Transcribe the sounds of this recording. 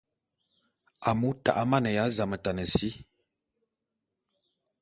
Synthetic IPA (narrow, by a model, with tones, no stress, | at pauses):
a˨mu˦ta̰˨ʔa˦ma˦˨nə˨ja˨˦za˨mə˨ta˨nə˨si˦